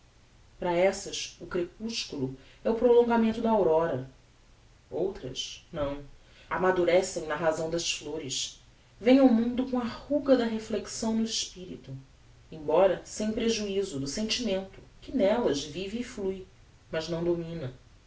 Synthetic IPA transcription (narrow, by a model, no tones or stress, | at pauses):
pɾɐɛsɐʃʊkɾepuʃkulu | ɛʊpɾolõŋɡamẽnt̪ʊd̪ɐawɾɔɾɐ | owt̪ɾɐ̰ʃnɐ̃w̃ | amad̪uɾɛsẽj̃nɐɦazɐ̃w̃d̪ɐsfloɾɪʃ | vẽj̃awmũnd̪ʊkõw̃ɐhuɡɐd̪ɐɦefleksɐ̃w̃nʊɪʃpiɾit̪u | ẽj̃bɔɾɐsẽj̃pɾeʒuizʊd̪ʊsẽnt͡ʃimẽnt̪ʊkɪnɛlɐzviviːfluj | mɐznɐ̃w̃d̪omĩnɐ